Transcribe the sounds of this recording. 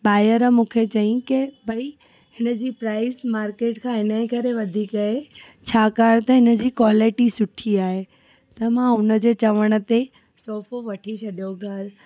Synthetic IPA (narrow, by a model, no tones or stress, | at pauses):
ɓaːjəɾmũːkʰet͡ɕɐĩkɪbʱɐi | hɪnə̆d͡ʑiːpɾaːɪsmaːɾkeːʈkʰãɦɪnəɪ̃kɐɾeʋɐd̪ʱiːkɐe | t͡ɕʰaːkaːɾt̪ɐɦɪnə̆d͡ʑiːkwaːlɪʈisʊʈʰiaːɦe | t̪ɐmãʊnə̆d͡ʑeːt͡ɕɐʋəɽ̃ə̆t̪e | sɔːfʰoʋɐʈʰit͡ɕʰɐɗijoɡʱɐɾ